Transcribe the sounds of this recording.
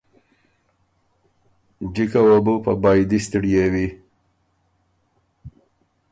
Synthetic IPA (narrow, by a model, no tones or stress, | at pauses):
d͡ʒikawabupabɑjd̪ist̪ɪɽijewi